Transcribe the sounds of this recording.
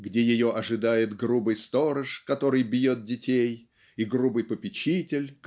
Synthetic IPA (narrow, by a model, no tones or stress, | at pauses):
ɡdʲejɪjo̞ʔɐʐɨd̪ajɪt̪ɡɾubɨjst̪o̞ɾəʂkɐt̪o̞ɾɨjbʲjo̞t̪̚dʲɪtʲej | iɡɾubɨjpəpʲɪt͡ɕitʲɪlʲk